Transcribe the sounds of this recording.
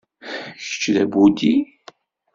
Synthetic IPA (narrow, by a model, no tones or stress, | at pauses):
çə̥t͡ʃːðæbud̪i